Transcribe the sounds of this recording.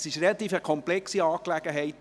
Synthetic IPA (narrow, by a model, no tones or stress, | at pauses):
sɪʃrelɑt̪iːfəkʰɔmplɛksiɑːklæɡ̥əɦɛɪt